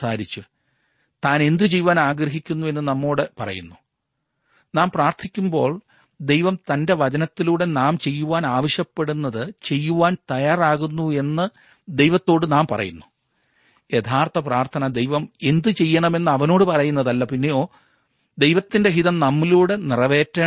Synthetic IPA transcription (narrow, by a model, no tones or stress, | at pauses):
saːɾit͡ɕːu | t̪aːne̞nd̪ɨt͡ɕejːuʋaːnaːɡɾɐɦikʲːunːue̞nːɨnɐmːoːɽepɐrɐ̰junːu | naːmpraːrt̪ʰikʲːumbo̞ːɭ | d̪e̞jʋɐmt̪ɐnde̞ʋɐt͡ɕɐnɐt̪ːiluːɽe̞naːmt͡ɕe̞jːuʋaːnaːʋɐɕjɐpːe̞ɽunːɐðɨt͡ɕe̞jːuʋaːnt̪ɐjaːraːɣunːue̞nːɨ | d̪e̞jʋɐt̪ːo̞ːɽɨnaːmpɐrɐ̰junːu | jet̪ʰaːrt̪ʰɐpraːrt̪ʰɐnɐd̪e̞jʋɐme̞nd̪ɨt͡ɕe̞jːɐɳɐme̞nːɨɐʋɐno̞ːɽɨpɐrɐjunːɐðɐlːɐpinːe̞jo̞ː | d̪e̞jʋɐt̪ːindeɦiðɐmnɐmːiluːɽenirɐʋe̞ːtːɐ